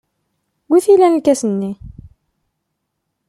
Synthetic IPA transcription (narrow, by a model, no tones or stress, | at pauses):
wiθilænlkæsənːi